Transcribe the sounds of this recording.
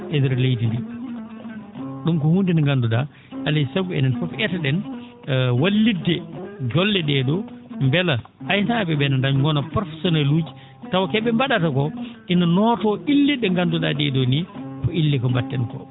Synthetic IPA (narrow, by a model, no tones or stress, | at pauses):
ʔɛdɛɾlejtindi | ɗumkɔhundinaŋɡanduɗa̰ | alisaɡuɛ̰nɛnfɔfɛtaɗɛn | walːidːɛd͡ʒɔlːɛɗɛdɔmbɛlaʔajtabɛbɛnandaɲɡɔnapɾɔfɛsɔnalud͡ʒi | tawakɛɓɛmbaɗatakɔʔinanɔːtɔʔilːiɗɛŋɡanduɗaɗɛdɔnifɔilːikɔmbatːɛnkɔ̰